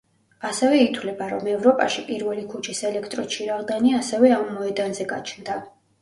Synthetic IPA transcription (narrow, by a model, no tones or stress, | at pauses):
asɛvɛit̪ʰwlɛbaɾɔmɛvɾɔpʼaʃipʼiɾvɛlikʰut͡ʃʰisɛlɛkʰt̪ʼɾɔt͡ʃʰiɾaʁd̪aniasɛvɛamːɔɛd̪anzɛɡa̰t͡ʃʰnd̪a